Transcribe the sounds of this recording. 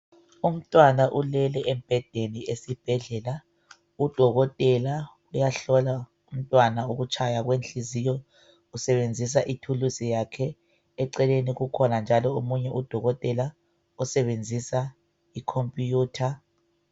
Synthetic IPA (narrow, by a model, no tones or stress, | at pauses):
um̩tʼwanaʔulɛlɛʔɛmb̥ʱɛd̥ʱeniesib̥ʱɛɮɛla | ud̥ʱɔɣɔtʼɛla | ujaɬɔla | um̩tʼwanaoɣut͡ʃʰʼajaɣwenɬizijɔ | usɛβend͡zʱis̬aʔitʰulusijakʰɛː | ǀɛleniɣukʰɔnand͡ʒʱalɔomuɲɛʔud̥ʱɔɣɔtʼɛla | usɛβend͡zʱisa | ikʰompʼjuːtʰa